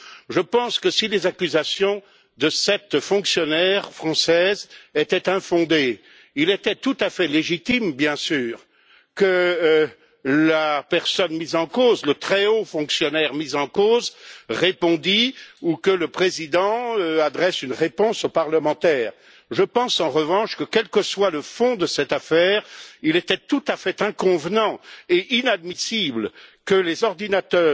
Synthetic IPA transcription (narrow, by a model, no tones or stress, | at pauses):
ʒəpɑ̃skəsilezakʲyzasjɔ̃ | d̪əsɛt̪fɔ̃ksjɔnɛʁfχɑ̃sɛːzet̪ɛt̪ɛ̃fɔ̃d̪e | ilet̪ɛt̪ut̪afɛleʒit̪imbjɛ̃syːʁ | kə | lapɛʁsɔnmizɑ̃kozlət̪χɛofɔ̃ksjɔnɛʁmizɑ̃koːzʁepɔ̃d̪iukələpχezid̪ɑ̃øad̪ʁɛsynʁepɔ̃sopaʁləmɑ̃t̪ɛːʁ | ʒəpɑ̃sɑ̃ʁəvɑ̃ʃkəkʲɛlkəswaləfɔ̃d̪əsɛt̪afɛːʁilet̪ɛt̪ut̪afɛt̪ɛ̃kɔ̃vnɑ̃eʔinad̪misiblkəlezɔʁd̪inat̪œː